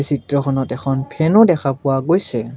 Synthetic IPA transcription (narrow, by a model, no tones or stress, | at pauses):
sitɹɔkʰɔnɔtɛkʰɔnpʰɛnʊdɛxʰapʊwaɡojsɛ